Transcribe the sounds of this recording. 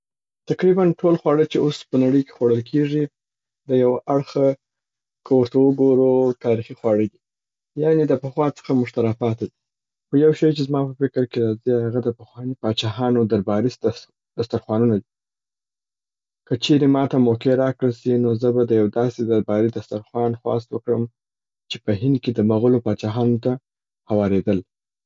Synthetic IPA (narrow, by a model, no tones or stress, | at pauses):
t̪aqɾibanʈʰolxwɑɽət͡ʃeospənaɽəjke̥xwaɽəlkʰeʐi | d̪əjawaʔaɽxa | kʰəwəɾt̪awəɡoɾut̪ɑɾixixwɑɽəɡi | jɑned̪əpəxwɑt͡sə̥xamʊʃt̪aɾɑpɑt̪ad̪i | xojawʃɑjt͡ʃezmɑpəfɪkɾkeɾɑzihaɣad̪əpəxwɑnipɑt͡ʃɑɦɑnod̪aɾbɑɾis | d̪̥ast̪aɾxwɑnunad̪i | kət͡ʃeɾemɑt̪amokeɾɑkɽəlsinozəbad̪əjawd̪ɑsed̪aɾbɑɾid̪ast̪aɾxwɑnxwɑ̰s̬t̪wəkɽəm | t͡ʃepəɦɪnd̪̚ked̪əmaɣʊlopɑt͡ʃɑɦɑnot̪a | hawɑɾed̪əl